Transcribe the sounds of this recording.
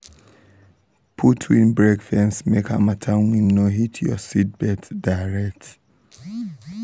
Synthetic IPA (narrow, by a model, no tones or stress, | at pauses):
pʰutʰwĩnbɹekfɛ̃nsmekha̰matʰawĩnːoɦitʰjɔ̰sit̚bɛtdaɹɛk̚t